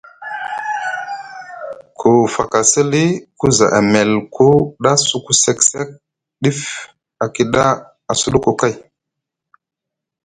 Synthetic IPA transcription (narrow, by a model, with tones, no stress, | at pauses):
kʰu˨fa˨ka˨sə˦li˦ku˦za̰˨ʔa˨me˨lku˦ɗa˦su˨ku˦se˨kse˦k̚ | ɗi˦f | a˨ki˨ɗa˦ | a˨su˦ɗu˦ku˨ka˦j